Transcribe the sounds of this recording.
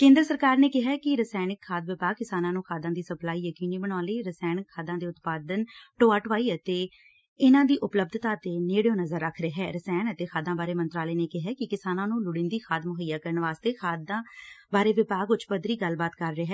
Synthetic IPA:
kẽːnd̪ɾəsəɾkaːɾneːkɪɦaːkɪɾəsɛːnɪkʰːaːd̪ʋɪpaːɡ̚kɪsaːnãːnũːxʰaːd̪ãːd̪iːsəplaːiːjəkiːniːbəɽãːleːɾəsɛːnɪkʰːaːd̪ãːd̪eːʊt̪paːd̪ənʈoːaːʈʋaːiːət̪eː | ɪnãːd̪iːʔʊpləb̚d̪ʱt̪aːət̪eːneːɽjõːnəzəɾːəkʰɾeːɦɛːɾəsɛːɳət̪eːxʰaːd̪ãːbaːɾeːmənt̪ɾaːleːneːkɪɦɛːkɪkɪsaːnãːnũːlʊɽɪ̃nd̪iːxʰaːd̪mʊɦəjaːkəɾənʋaːst̪eːxʰaːd̪ãːbaːɾeːʋɪpaːɡʊt͡ʃpəd̪ɾiːɡəlbaːt̪kəɾːeːɦɛː

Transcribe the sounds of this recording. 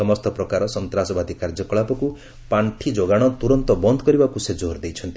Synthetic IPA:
ɔmɔst̪ɔpɾɔkaɾɔsɔnt̪ɾasɔbad̪ʱikaɾd͡ʒɔkɔɭapɔku | paɳʈʰid͡ʒoɡaɽ̃ɔt̪uɾɔnt̪ɔbɔnd̪ɔkɔɾibakused͡ʒoɾd̪ejt͡ʃʰɔnt̪i

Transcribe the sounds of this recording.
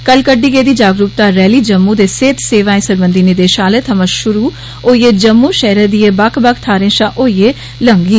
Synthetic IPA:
kəlkəɖːiːɡeːd̪iːd͡ʒaːɡɾuːp̚t̪aːɾɛːliːd͡ʒəmːuːd̪eːseːt̪seːʋaːẽːsəɾbənd̪inid̪eːʃaːleːt̪ʰəməʃʊɾuː | oːiːeːd͡ʒəmːuːʃɛːɾəd̪iːeːbakʰbakʰt̪ʰaːɾẽːʃãːʔoːieː | ləŋɡiː

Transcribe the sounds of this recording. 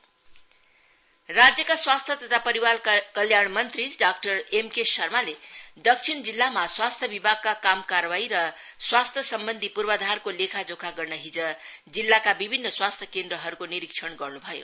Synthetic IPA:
rad͡zjʌkaswast̪ʰjʌt̪ʌt̪ʰapʌɾiwalkʌljaɳmʌnt̪riɖak̚ʈʌremkesʌrmaled̪ʌk̚t͡sʰind͡zilːamaswast̪ʰjʌbibʱaɡ̚kakamkarwaiɾʌ | swast̪ʰjʌsʌmbʌnd̪ʱipurbʌd̪ʱarkolekʰad͡zokʰaɡʌrnʌɦid͡zʌ | d͡zilːakabibʱinːʌswast̪ʰjʌkend̪rʌɦʌɾukoniɾikʂʰʌɳɡʌrnubʱʌjo̰

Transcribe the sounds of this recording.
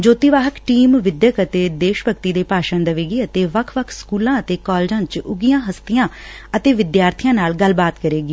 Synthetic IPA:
d͡ʒoːt̪iːʋaːɦəkʈiːmʋɪd̪jəkət̪eːd̪eːʃbəkt̪iːd̪eːpaːʃənd̪əʋeːɡiːət̪eːʋəkʰʋəkʰskuːlãːət̪eːkɔːld͡ʒãːt͡ʃʊɡijãːɦəst̪ijãː | ət̪eːʋɪd̪jaːɾt̪ʰijãːnaːlɡəlːbaːt̪kəɾeːɡiː

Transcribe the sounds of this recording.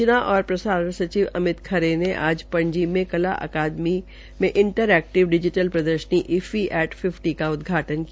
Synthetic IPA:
naʔɔːɾpɾɐsaːɾəɳsɐt͡ʃiʋɐmɪt̪kʰɐɾeneʔaːd͡ʒpɐ̃ɲd͡ʒimẽkɐla̰ʔə̰kaːd̪mi | mẽʔɪ̃ɳʈəɾɛːk̚ʈɪʋɖɪd͡ʒɪʈəlpɾɐd̪əɾʃəniʔɪfiʔɛːʈfʰɪfʈikaʊd̪ɡʱaːʈənk

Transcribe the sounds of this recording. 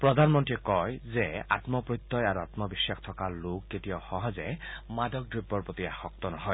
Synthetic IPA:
pɹɔd̪ʱanmɔntɹiɛkɔjzɛa̰t̪mɔpɹɔt̪ːɔjaɹuat̪mɔbisːaxt̪ʰɔkalʊkːetijaxɔɦɔzɛmadɔk̚dɹibːɔɹpot̪iaxɔk̚t̪ɔnɔɦɔj

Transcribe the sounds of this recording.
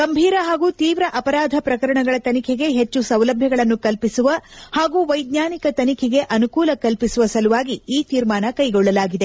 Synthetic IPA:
ɡ̥ɐmbʱiːɾɐɦaːɡuːt̪iːʋɾɐʔɐpɐɾaːd̪ʱɐpɾɐkɐɾɐɳɐɡɐɭɐt̪ɐnikʰɛɡe̞ɦe̞t͡ʃːusɐwlɐbʱjɐɡɐɭɐnːukɐlpisuʋɐhaːɡuːʋɐjd̪ɲaːnikɐt̪ɐnikʰɛɡe̞ʔɐnukuːlɐkɐlpisuʋɐsɐluʋaːɡiiːt̪iːɾmaːnɐkɐjɡɔɭːɐlaːɡid̪e̞

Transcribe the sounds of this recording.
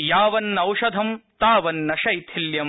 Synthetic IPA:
jaːʋɐnːɐwʂɐd̪ʱɐmt̪aːʋɐnːɐʃɐjt̪ʰiljɐm

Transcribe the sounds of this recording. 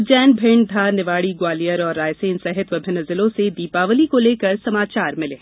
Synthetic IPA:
d͡ʒɛːnbʱɪɳdʱaːnɪʋaːɽiɡwaːlijəɾɔːɾːaːjseːnsɛɦɪt̪ʋəbʱɪnəzɪlõsed̪iːpaːʋəlikoleːkɐɾsɐmaːt͡ʃaːɾmɪleː

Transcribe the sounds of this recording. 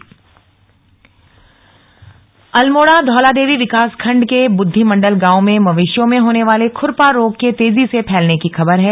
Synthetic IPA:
ɐlmoːɽad̪ʱɔːlad̪eːʋiʋɪkaːskʰɐ̃ɳɖkebʊd̪ʱːimɐ̃ɳɖəlɡãːomẽmɐʋɪʃjõmẽɦoːneʋaːlekʰʊɾpaɾoːɡ̚ket̪eːzisepʰɛːlnekixɐbəɾɦɛː

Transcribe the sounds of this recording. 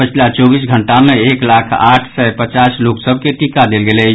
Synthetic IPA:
pət͡ʃʰlat͡ʃɔbisɡʱəɳʈameeklakʰa̰ʈʰsɛpət͡ʃasloksəbʱkeʈikad̪elɡelɛ

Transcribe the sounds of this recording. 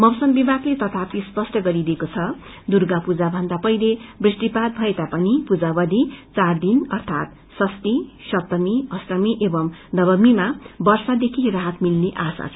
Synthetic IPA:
mʌbsʌnbibʱaɡlet̪ʌt̪ʰapispʌsʈʌɡʌɾidekot͡sʰʌ | d̪urɡapud͡zabʱʌnd̪apʌjlebrisʈipat̪̚bʱʌet̪apʌnipud͡zabʌd̪ʱit͡sard̪inʌrt̪ʰat̪ | sʌst̪isʌt̪ʌmiʌsrʌmiʔebʌmd̪ʌbʌmːimabʌrsad̪ekʰiraɦʌt̪milneʔasa̰

